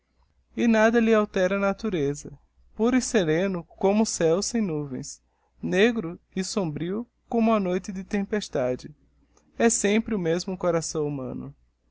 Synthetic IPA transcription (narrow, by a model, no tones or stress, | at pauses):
ɪnad̪ɐlɪawt̪ɛɾɐnat̪uɾezɐ | puɾiseɾẽnʊkõmʊsɛwsẽj̃nuvḛ̃j̃s | neɡɾʊɪsõmbɾiʊ | kõmʊɐnojt̪ɪd̪ɪt̪ẽmpeʃt̪ad͡ʒɪ | ɛsẽmpɾɪʊmezmʊkoɾasɐ̃w̃umɐ̰̃nʊ̰